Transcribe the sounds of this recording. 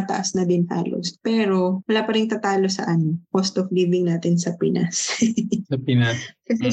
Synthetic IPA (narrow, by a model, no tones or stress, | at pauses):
t̪ɐʔɐsnɐd̪ɪnha̰ːlo̰spɛːɾo̞wɐlaːpɐɾɪŋt̪ɐt̪aːlo̞sɐ̰ʔɐnokost̪ofliːbɪŋnaːt̪ɪnsɐpɪnʔa̰ssɐpɪnaskɐsɛ